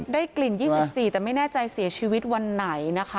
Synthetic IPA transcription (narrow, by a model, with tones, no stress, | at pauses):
daː˥˩jkli˨˩njiː˥˩si˧˩p̚siː˨˩t̪ɛː˨˩ma˥˩jnɛː˥˩t͡ɕa˧jsi˨˩˦t͡ɕʰiː˧wi˦˥t̪̚wa˧nːa˩˦jna˦˥kʰa˦